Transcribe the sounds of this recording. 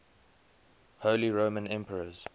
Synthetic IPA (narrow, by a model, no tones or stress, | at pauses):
hoːliɹoʊmə̃nɛ̃mpəɹəz̥